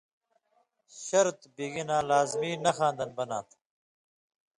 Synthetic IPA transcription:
ɕɐɾt̪biɡinãːlaːzmiːnɐxãːnd̪ɐnbɐna̰ːt̪ʰ

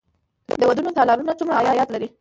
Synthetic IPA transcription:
d̪əwad̪unot̪ɑlɑɾunat͡sumɽaːjɑjɑt̪laɾi

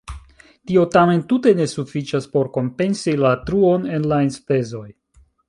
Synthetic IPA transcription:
tio̞tame̞ntute̞ne̞sufit͡ʃaspo̞ɾko̞mpe̞nsilatɾuo̞ne̞nlaenspe̞zo̞j

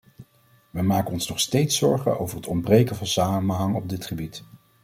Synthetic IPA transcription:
ʋəmaːkəɔnsnɔχstejtsɔɹχə̰no̰wvəɹɦətɔmbrejkənvɑnsaːmənɦɑŋɔb̚dɪtχəbit

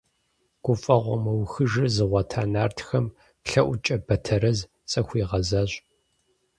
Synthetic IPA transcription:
ɡ̥ʷʊfʼɐʁʷɔ̰mɐwxɨʒɨzɨʁʷɐtʰaːnaːrtʰxɐm | pɬɐʔʷʊt͡ʃʼɐbɐtʰɐɾɐz | t͡sʼɐxʷiːʁɐzaɕ

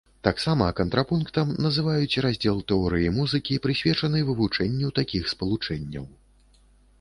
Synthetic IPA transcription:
t̪aksamɐkɐnt̪ɾapunkt̪ɐmnɐzɨvajut͡sʲrazʲd͡zʲɛlˠt̪ɛɔɾɨjimuzɨkʲipɾɨsʲvʲɛt͡ʂɐnɨjvɨvut͡ʂɛnʲːiwt̪akʲixspɐlˠut͡ʂɛnʲːɐ̰w

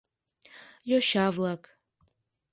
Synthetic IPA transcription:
joʃavlakʼ

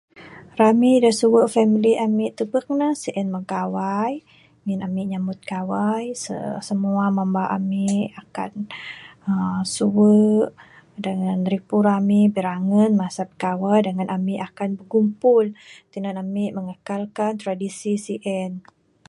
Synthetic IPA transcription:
ramidasuwəʔfɛmiliʔamɪʔt̪ubək̚nəsiʔɛnmakawaj | ŋinamiʔɲamʊt̪̚kawajsə̰səmuamambaʔa̰miʔaka̰n | əsuwəʔ | dəŋanɾipuɾamiʔbəɾaŋənmasabə̥kawajdəŋanʔamiʔakanbəɡumpʊlt̪inənamɪʔməŋəkalkant̪ɾadisisiʔɛn

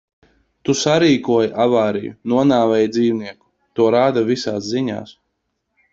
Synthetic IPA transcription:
t̪usaɾiːkuɔjaʔavaːɾijṵnuɔnaːvɛjd̪ziːwniɛku̥ | t̪uɔɾaːd̪avisaːsziɲa̰ːs

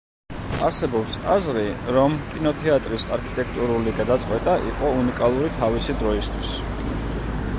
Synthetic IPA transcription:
a̰ɾsɛbɔpsa̰zɾiɾɔmkʼinɔt̪ʰɛat̪ʼɾisa̰ɾkʰi̥t̪ʼɛk̚ʰt̪ʼuɾuliɡad̪at̪sʼqʼwɛt̪ʼaʔḭqʼɔunikʼalˠuɾit̪ʰavisid̪ɾɔist̪ʰwis

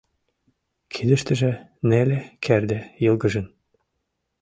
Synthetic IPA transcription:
kʰid̪ə̆ʃt̪ə̆ʒĕnelekʰerd̪ejɤlɡɤʒɤ̆n

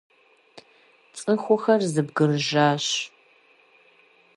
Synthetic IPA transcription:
t͡sʼɨxʷʊxɐrzɨbɡɨrʒaːɕ

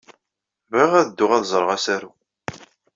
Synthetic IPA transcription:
vʁiʁæðd̪ːʊʁæðzˤɾˤʁasæɾu

